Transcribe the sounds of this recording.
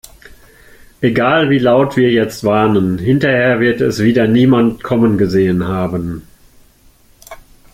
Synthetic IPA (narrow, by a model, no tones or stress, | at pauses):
ʔeɡaːlviːlaʊtv̥iːɐjɛt͡stv̥aɐnənɦɪntɐheːɐvɪɐtɛsv̥iːdɐniːmantkʰɔmənɡəzeːənɦaːbən